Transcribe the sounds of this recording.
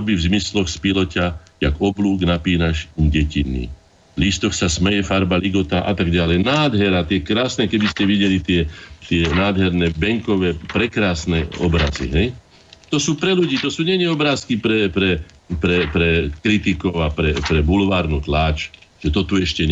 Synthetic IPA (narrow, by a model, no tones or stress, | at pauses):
bivzmislɔxspilɔcajaɡɔbluːɡnapiːnaʃimɟɛcinːḭ | list̪ɔxsasmɛjɛfaɾbaliɡɔt̪aʔa̰t̪aɡɟalɛjnaːd̪ɦɛɾat̪ɪɛkɾaːsnɛkɛbiscɛʋiɟɛlit̪ɪɛt̪ɪɛnaːd̪ɦɛɾnɛbɛŋkɔʋɛːpɾɛkɾaːsnɛɔ̰bɾa̰zḭɦɛj | t̪ɔsuːpɾɛluɟiːt̪ɔsuːɲɛnɛɔbɾaːskipɾɛpɾɛ | pɾɛpɾɛkɾit̪ikɔʊapɾɛpɾɛbulʋaːɾnut̪laːt͡ʃʒ̥ɛt̪ɔt̪uɛʃcɛɲ